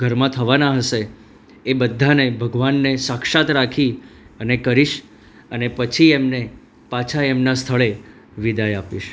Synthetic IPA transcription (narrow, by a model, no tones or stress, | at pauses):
ɡʱəɾmãt̪ʰəʋanaɦəʃeː | bəd̪ʱːanebʱəɡʋanːesakʃat̪ɾakʰiənekəɾiʃ | ənepət͡ʃʰiemne | pat͡ʃʰaemnast̪ʰəɭe | ʋid̪ajapiʃ